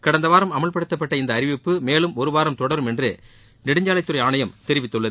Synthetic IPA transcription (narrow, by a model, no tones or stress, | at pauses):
kɐɽɐnd̪ɐʋaːɾɐmɐmɐɭpɐɽɯt̪ːɐpːɐʈːɐɪnd̪ɐːɾɪʋɪpːɯmeːlɯmɔɾɯʋaːɾɐmt̪ɔɽɐɾɯmɛndre | nɪɽɪɲd͡ʒaːɭɐɪt̪ːɯɾɐɪaːnɐjɐmt̪ɛɾɪʋɪt̪ːɯɭːɐð